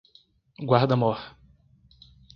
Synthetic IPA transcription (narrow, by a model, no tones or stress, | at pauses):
ɡwaɾd̪ɐmɔh